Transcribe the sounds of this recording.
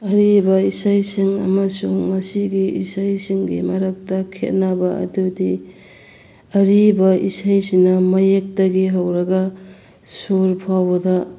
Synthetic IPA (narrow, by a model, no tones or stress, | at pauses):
ɐɾibɐisajsiŋɐ̰mɐsuŋmɐsiɡiʔisajsiŋɡimaɾak̚takʰet̚nabaɐ̰dudi | ɐɾibɐisajsiŋnɐmɐjek̚tɐɡiɦawɾɐɡa | soɾpʰawbɐda